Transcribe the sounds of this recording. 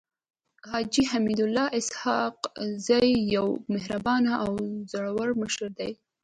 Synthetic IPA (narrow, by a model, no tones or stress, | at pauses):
hɑd͡ʒihamid̪ʊlːɑʔɪshɑqzajːawmɪhɾabɑnaʔawzəɽawaɾməʃəɾd̪aj